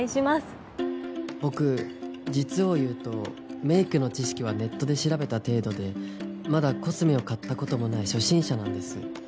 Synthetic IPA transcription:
iɕimasɨ̥ | b̥o̞kɯ̟d͡ʑit͡sɨo̞jɯ̟ːt̪o̞ | me̞ikɯ̟no̞t͡ɕiɕi̥kʲiβ̞ane̞t̪ːo̞d̪e̞ɕiɾabe̞t̪at̪e̞ːd̪o̞d̪e̞mad̪ako̞t͡sɨmeo̞kat̪ːako̞t̪o̞mo̞naiɕo̞ɕĩɰ̃ɕanãnd̪e̞sɨ̰

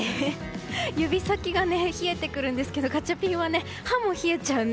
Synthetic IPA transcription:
jɯ̟bʲisakʲiɡane̞çie̞t̪e̞kɯ̟ɾɯ̟̃nd̪esɨ̥ke̞d̪o̞kat͡ɕːapʲĩɰ̃βane̞ | hãmːõçie̞t͡ɕaɯ̟̃n

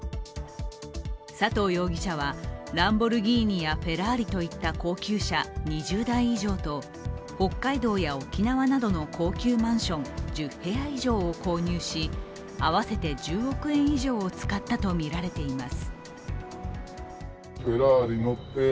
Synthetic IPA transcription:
sat̪o̞ːjo̞ːɡʲiɕaβ̞aɾãmbo̞ɾɯ̟ɡʲiːɲ̟ijaɸe̞ɾaːɾʲit̪o̞it̪ːako̞ːkʲɨːɕaɲ̟iʑɨːd̪aĩiʑo̞ːt̪o̞ | ho̞kːaid̪o̞ːjaokʲinaβanad̪o̞no̞kʰo̞ːkʲɨːmãɰ̃ɕõ̞nd͡ʑɨhe̞aiʑo̞ːoko̞ːɲ̟ɨːɕi | aβase̞t̪e̞d͡ʑɨːɾo̞kɯ̟ẽ̞ɰ̃iʑo̞ːt͡sɨ̥kat̪ːat̪o̞mʲiɾaɾe̞t̪e̞imasɨ̥ | ɸe̞ɾaɾʲinotːe

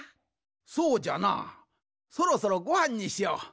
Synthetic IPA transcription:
sod͡ʑana̰ | sʰoɾosaɾɔɡohaɲːiɕia

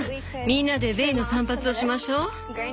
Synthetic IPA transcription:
mʲĩnːad̪e̞be̞ino̞sãmpat͡sɨo̞ɕimaɕo̞ː

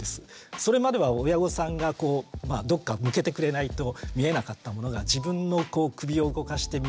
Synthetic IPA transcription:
esɨ̥so̞ɾe̞mad̪e̞β̞ao̞jaɡo̞sãŋɡako̞ːmad̪o̞kːamɯ̟ke̞t̪e̞kɯ̟ɾe̞nait̪o̞mʲie̞nakat̪ːamo̞no̞ɡad͡ʑibɯ̟̃nːo̞ko̞ːkɯ̟bʲio̞ɯ̟ɡo̞kaɕi̥t̪e̞

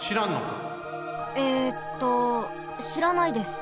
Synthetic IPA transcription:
ɕiɾãnːo̰ka̰ | et̪ːo̞ | ɕiɾanaid̪e̞sɨ̥

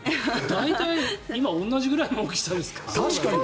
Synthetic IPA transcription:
d̪ait̪aiimaõ̞nːaʑiɡɯ̟ɾaimoːkʲekʲi̥sad̪esɨ̥kḁt̪ʰaɕkaɲi

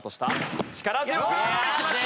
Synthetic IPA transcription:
t̪oɕi̥t̪at͡ɕi̥kaɾazɨkɯ

